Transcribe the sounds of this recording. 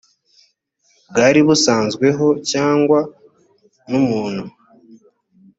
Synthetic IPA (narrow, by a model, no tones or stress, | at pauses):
b̚ɡaːɾiβusaːnzɡwe̞ɦo̞caːŋɡwa | numuːnhu